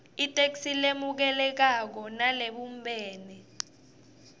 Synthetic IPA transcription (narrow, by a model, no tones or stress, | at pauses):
itʼek̬silemuk̬ɛlɛk̬ak̬ɔnaleɓumbʱɛːnɛ